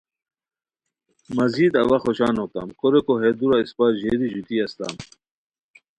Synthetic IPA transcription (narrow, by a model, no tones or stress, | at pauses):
mɐziːd̪ɐwɐxoɕaːnok̚t̪a̰mkoɾekoɦed̪uɾaispaːʑeːd̪iʑut̪iɐst̪a̰m